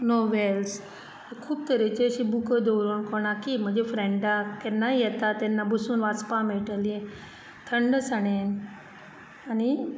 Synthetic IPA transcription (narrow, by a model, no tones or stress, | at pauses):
noʋels | ekʰuːb̚t̪əɾet͡ɕeəɕibukəd̪əwɾuːnkɔɽ̃akim̤əɳd͡zefɾɛɳɖakɛnːaijɛt̪at̪ɛnːabʱəsuːnʋat͡spameʈəlije | t̪ʰəɳɖəsaɽen | ani